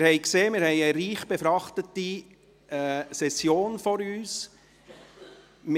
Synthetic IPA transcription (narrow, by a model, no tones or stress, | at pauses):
ɾhɛɪkseːmɪɾhɛɪəɾiːχb̥efɾɑχtəti | sɛsjoːnfɔɾyːs | m